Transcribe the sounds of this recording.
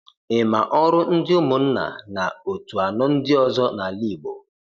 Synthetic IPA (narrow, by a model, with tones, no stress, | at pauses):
ɪ˨ma˨ʔɔ˦ɾʊ˦n̩˦dɪ˦ʊ˦mʊ˨n̩˦na̰˨na˨o˨tu˨a˨nɔ˦n̩˦dɪ˦ɔ˦zɔ˦na˨li˦˨ɡ͡bo̰˨